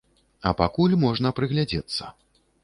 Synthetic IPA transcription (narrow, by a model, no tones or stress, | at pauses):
ɐpakulʲmɔʐn̪ɐpɾɨɣlʲad͡zʲɛt̪sːɐ